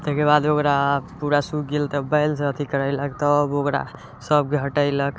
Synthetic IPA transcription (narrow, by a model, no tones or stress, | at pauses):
t̪ekebad̪okɾapuɾasuɡelt̪əbəjlseət̪ʰikəɾəɪləkt̪ɔbokɾa̰ | səb̚ɡʱəʈəɪlək